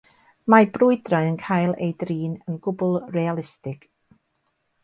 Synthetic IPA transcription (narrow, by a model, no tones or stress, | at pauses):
mabrʊɨdraɨənkʰaːjlˠḛjdriːnənɡ̥ʊbʊlˠrɛalˠɪstɪɡ̥